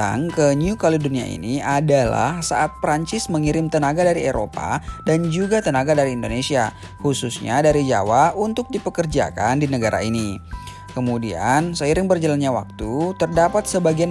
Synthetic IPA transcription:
a̰ŋkəniukalodunia̰ḭniadala̰hsa̰ʔat̪̚pɾaɲt͡ʃɪsməŋiɾɪmt̪ənaɡadaɾieɾo̰pa̰dand͡ʒuɡat̪ənaɡadaɾiːndonesia | hususɲa̰daɾid͡ʒa̰waunt̪ʊk̚dipəkərd͡ʒa̰kandinəɡaɾa̰ini | kəmudia̰nsəiɾɪŋbərd͡ʒalanɲawa̰k̚t̪ut̪ərdapat̪̚səbaɡia

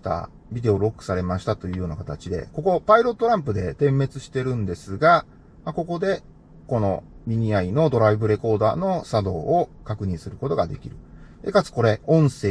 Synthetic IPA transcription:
t̪a̰ | bʲid̪e̞o̞ɾo̞kːɯ̥saɾe̞maɕi̥t̪at̪o̞jɯ̟ːjo̞ːnakat̪at͡ɕid̪e̞̰ko̞ko̞paiɾo̞t̪ːoɾãmpɯd̪e̞t̪ẽ̞mːe̞t͡sɨɕi̥t̪e̞ɾɯ̟̃nd̪e̞sɨɡa | mako̞ko̞d̪e̞ | ko̞no̞̰mʲiɲ̟iaino̞d̪o̞ɾaibɯ̟ɾe̞ko̞ːd̪a̰ːno̞sad̪o̞ːkakɯ̟ɲ̟ĩɰ̃sɨɾɯ̟ko̞t̪o̞ɡad̪e̞̰kʲḭɾɯ̟ | ḛkat͡sɨ̥ko̞ɾe̞õ̞ɰ̃se̞ː

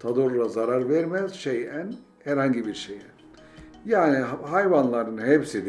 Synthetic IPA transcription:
t̪ʰad̪oɾlˠazaɾaɾvɛɾmɛzʃejæn | hæɾhaɲɟibiɾʃejɛn | jaːnihajvanlˠaɾɯnhepsid̪

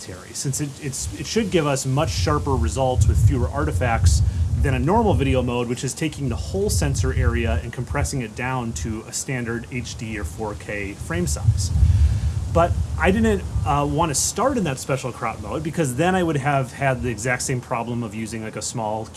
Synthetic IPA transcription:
tʰɛ̰ɹḭsɪ̃nsɨɾɪtsɨtʃɨd̚ɡɪvʌsmʌt͡ʃʃɑɹpə˞ɹɨzʌlˠtswɨð̥fjʉə˞ʔɑɹɾɨfæk̚tsðɨ̃ɾ̃ɨnɔɹml̩ˠvɪɾioʊmoʊd̚wɨt͡ʃɨz̥tʰeɪkɪ̃ŋðəhoʊlˠsɛ̃nsə˞ʔɛɹiɨɨ̃nkʰm̩pʰɹ̥ɛsɪ̃ŋɨt̚d̥ãʊ̃ntʰɨɨstæ̃ndə˞ɾeɪt͡ʃd̥iə˞fɔɹkʰeɪfɹẽɪ̃msa̰ɪz̥ | b̥ʌɾʔaɪdɪdⁿn̩twɑ̃ntʰɨstɑɹɾɨ̃nðɨtspɛʃl̩ˠkʰɹ̥ɑt̚moʊd̚bɨkʰʌzðɨ̃ɾ̃aɪwʊɾɨv̥ɨd̪̚ðiɨɡzæk̚tsẽɪ̃mpʰɹ̥ɑblə̃mʌvjʉzɪ̃ŋlaɪkɨsmɔlˠ

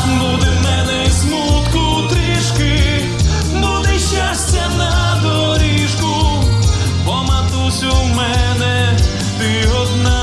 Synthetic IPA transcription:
bud̪ɛmɛnɛizmut̪ku | t̪ɾɪʂkɪ | bud̪ɛʃasʲt͡ɕʲɐnɐ | d̪ɔ | ɾʲiʃku | pɔmɐt̪usʲumɛnɛ | t̪ɪɔd̪na

